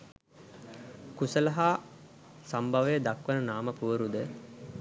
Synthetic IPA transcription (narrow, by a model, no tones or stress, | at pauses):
kusəlɐɦaː | sambʱaʋəjəd̪akʋənənaːməpuʋəɾud̪ə